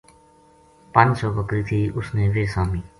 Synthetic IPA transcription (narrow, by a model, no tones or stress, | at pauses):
pə̃nd͡ʒsɔːbəkɾiːt̪ʰiːʔʊsneːʋeːsaːmiː